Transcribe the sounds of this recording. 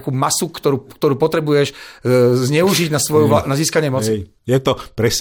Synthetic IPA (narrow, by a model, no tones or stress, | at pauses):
kuːmasukt̪ɔɾuːkt̪ɔɾuːpɔt̪ɾɛbujɛʃ | zɲɛuʒiɟnasʋɔjuanaziːskaɲɪɛmɔt͡si | jɛt̪ɔpɾɛs